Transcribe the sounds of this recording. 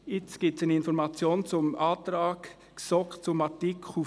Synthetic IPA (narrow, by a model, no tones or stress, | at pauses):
ɪt͡sɡ̥iːp̚tsanɪnfɔɾmɑt͡sjoːnt͡sʊmʔɑːt̪ɾɑːk | sɔkt͡sʊmɑtikχu